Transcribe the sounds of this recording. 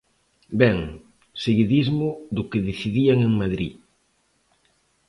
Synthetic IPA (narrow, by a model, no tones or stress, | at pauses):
bɛŋ | seɣiðizmʊd̪ʊkeðiθiðiaŋeŋmaðɾḭ